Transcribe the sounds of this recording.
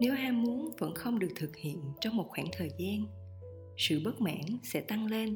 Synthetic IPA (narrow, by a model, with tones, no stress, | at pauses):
ne˨˦wʔaː˧mu˨˦ənvə̰˧˥nxə˧wŋ͡mɗɨ˨˩ək̚t̪ʰɨ˨˩k̚hḭ˧˨ənt͡ɕɔ˧wŋ͡mmo˨˩t̚xwaː˧˩ŋt̪ʰəː˨˩jzaː˧n | sɨ̰˧˨ɓə˦˥t̚ma̰ː˧˥nsɛ̰˧˥t̪a˧ŋle˧n